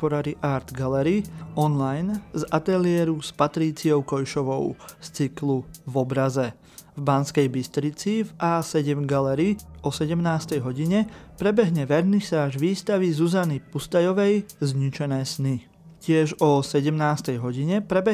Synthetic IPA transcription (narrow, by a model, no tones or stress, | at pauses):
pɔɾaɾiʔaːɾd̪ɡalɛɾiɔnlajnzat̪ɛlɪɛːɾuspat̪ɾiːt͡siɔʊkɔjʃɔʋɔʊst͡sikluvɔbɾazɛ | vbanskɛjbist̪ɾit͡sivʔaːsɛɟɛmɡalɛɾiɔsɛɟɛmnaːst̪ɛjɦɔɟiɲɛpɾɛbɛɦɲɛʋɛɾnisaːʒʋiːst̪aʋizuzanipust̪ajɔʋɛjzɲit͡ʃɛnɛːsni | cɪɛʒɔsɛɟɛmnaːst̪ɛjɦɔɟiɲɛpɾɛbɛ